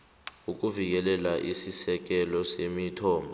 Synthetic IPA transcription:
uk̬ʼuvik̬ɛlɛlaʔisisɛk̬ɛlɔsemitʰɔːmbʱɔ

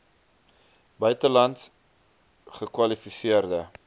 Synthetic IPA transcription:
bœɥtəlɐnts | χəkwɐlifisiərdə

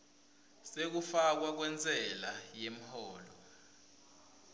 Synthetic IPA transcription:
sek̬ufak̬wak̬wɛnd͡zʱʼɛlajem̩hɔːlɔ

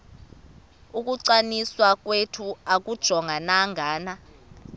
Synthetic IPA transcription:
uk̬ʼuǀaniswak̬wetʰuak̬ʼud̥ʒ̥ʱɔŋʱanaŋʱaːna

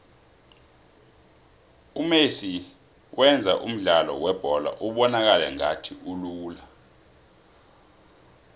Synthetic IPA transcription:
umesi | wʔɛnd͡zʱaʔum̩ɮalɔ̰wɛb̥ʱɔla̰ʔuɓɔnak̬alɛŋatʰiʔuluːla

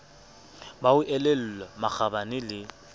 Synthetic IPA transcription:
baʊʔɛlɛl̩lɔmak͡xʰabanɪlɪ

